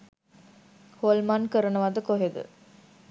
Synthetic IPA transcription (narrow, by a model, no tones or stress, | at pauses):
holmankəɾɐnəʋad̪əkoɦed̪ɨ̰